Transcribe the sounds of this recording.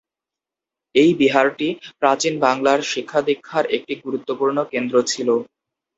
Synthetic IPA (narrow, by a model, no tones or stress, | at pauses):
ejbiɦaɾʈipɾat͡ɕinbaŋlaɾʃikʰːad̪ikʰːaɾek̚ʈiɡuɾut̪ːopuɾnokend̪ɾot͡ɕʰilo